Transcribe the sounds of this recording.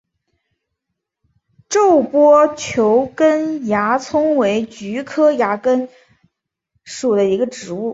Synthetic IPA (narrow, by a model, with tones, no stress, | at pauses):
ʈ͡ʂo˥˩ʊpwɔ˥t͡ɕʰjo˧˥ʊkə˥nja˧˥t͡sʰʊ˥ŋwe˧˥ɪt͡ɕy˧˥kʰɤ˥ja˧˥kə˥n | ʂu˨˩d̪ə˦i˧˥ɡə˧ʈ͡ʂɻ̩˧˥u˥˩